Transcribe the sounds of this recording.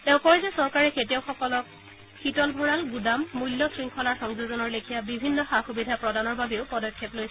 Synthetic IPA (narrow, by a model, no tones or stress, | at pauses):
tɛʊ̃kɔɹɛzɛsɔɹkaɹɛketijɔʊxɔkɔlɔk̚ | xitɔlbʱɔɹalɡudamːulːɔsɹiŋkʰɔlaɹxɔŋzuzɔnɔɹlekʰijabibʱinːɔxaxubidʱapɹɔdanɔɹbabeʊpɔdɔkʰːeplojs